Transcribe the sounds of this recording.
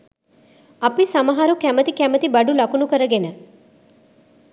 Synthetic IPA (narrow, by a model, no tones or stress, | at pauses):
ɐpisɐmɐɦaɾukæmət̪ikæmət̪ibɐɖulɐkunukəɾəɡenə